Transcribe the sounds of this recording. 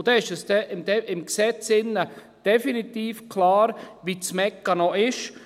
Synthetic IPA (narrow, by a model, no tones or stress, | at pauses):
d̥̪ɛɪʃɛsd̥ɛʔɪmd̥ɛʔɪmksɛt͡sɪnːə | d̥ɛfinit̪iːfkʰlaːɾʋit͡smɛkːənɔɪʃ